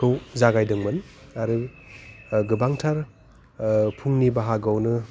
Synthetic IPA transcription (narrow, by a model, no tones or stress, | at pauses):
owzaɡajdɯŋmɯnaɾɯ | ɡɯbaŋtʰaɾ | pʰuŋnibaɦaɡawnɯ